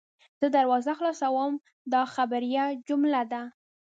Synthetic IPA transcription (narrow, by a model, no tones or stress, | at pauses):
z̥əd̪aɾwɑzaxlɑsawəm | d̪ɑxabaɾjad͡ʒʊmlad̪a